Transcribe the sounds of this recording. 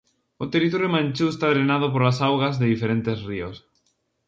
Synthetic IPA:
ot̪eɾit̪oɾjomãnʲt͡ʃust̪aðɾenað̞op̬oɾlasawɣazðeðifeɾent̪esrios

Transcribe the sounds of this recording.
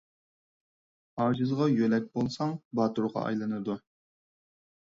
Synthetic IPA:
ɑːd͡ʒɨzʁɑjølɛk̚ʲbolˠsɑŋbɑːt̪uɾʁɑ̰ʔɑ̰jlˠɨnɨd̪u

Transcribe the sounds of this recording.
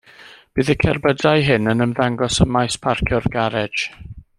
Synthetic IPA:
b̥ɨːðəkʰɛrbədajɦɪnənəmðaŋɡɔsəmajspʰarkʰjʊrɡaɾɛd͡ʒ

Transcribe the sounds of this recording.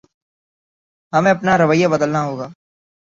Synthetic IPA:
ɦɐmẽɐpnaɾɐʋəjːabɐd̪əlnaɦoːɡaː

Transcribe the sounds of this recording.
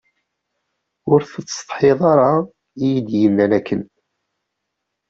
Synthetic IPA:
ʊɾθət͡sːt̪ˤħeðˤɑɾˤɑ | ijid̪jənːænækːən

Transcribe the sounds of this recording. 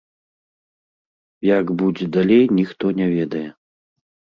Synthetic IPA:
jaɡbud͡zʲɛd̪alʲejnʲixt̪ɔnʲɛvʲɛd̪ɐjɛ

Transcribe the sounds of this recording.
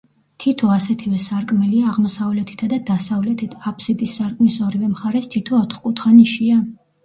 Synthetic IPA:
t̪ʰit̪ʰɔasɛt̪ʰivɛsaɾkʼmɛliaːʁmɔsavlɛt̪ʰi̥t̪ʰad̪ad̪asavlɛt̪ʰit̪ʰapʰsit̪ʼisːaɾkʼmisɔɾivɛmχaɾɛst̪ʰit̪ʰɔːt̪ʰχkʼut̪ʰχaniʃia

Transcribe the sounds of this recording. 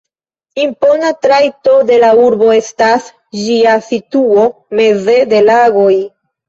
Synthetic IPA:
impo̞natɾajto̞de̞lauɾbo̞e̞stas | d͡ʒiasituo̞me̞ze̞de̞laɡo̞j

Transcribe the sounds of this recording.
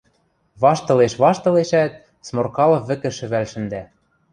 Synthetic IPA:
βɑʃt̪ɤ̆leʃβɑʃt̪ɤ̆leʃæt̪̚ | smorkɑlɤ̆βɘ̆kɘ̆ʃɘ̆βælʃɘ̆nd̪æ

